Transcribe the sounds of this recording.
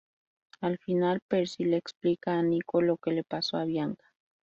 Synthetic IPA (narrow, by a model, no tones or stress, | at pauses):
alfinalpeɾsileksplikaːnikolokelepasoaβjaŋkḁ